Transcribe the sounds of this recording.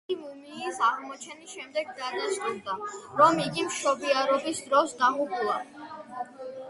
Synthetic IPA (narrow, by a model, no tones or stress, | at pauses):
imumiːsaʁmɔt͡ʃʰɛnisʃɛmd̪ɛɡːad̪ast̪ʼuɾd̪aɾɔmiɡimʃɔbiaɾɔbisd̪ɾɔsd̪amupʼulˠa